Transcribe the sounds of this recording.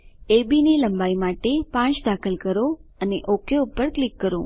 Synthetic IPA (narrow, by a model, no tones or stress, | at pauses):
ebiniləmbaimaʈepãt͡ʃd̪akʰəlkəɾoəneʔokʰjoupːəɾklikːəɾõ̰